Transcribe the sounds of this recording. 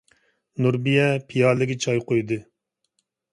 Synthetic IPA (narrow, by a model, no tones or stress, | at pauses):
nuɾbijɛpʰijɑːlɪɡʲit͡ʃʰɑjqojd̪ɨ